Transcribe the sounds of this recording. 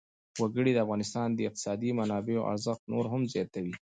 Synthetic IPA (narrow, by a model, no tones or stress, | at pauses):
waɡəɽid̪əafɣɑnɪst̪ɑnd̪əɪq̚t̪ɪ̥sɑd̪imanɑbeoʔa̰ɾzəxt̪noɾɦamzjɑt̪awi